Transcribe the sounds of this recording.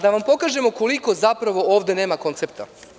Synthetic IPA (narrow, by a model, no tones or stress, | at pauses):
d̪aʋampo̞kaːʒe̞mo̞ko̞liko̞zapɾaʋo̞oːʋd̪e̞ne̞ːmako̞nt̪sep̚t̪a̰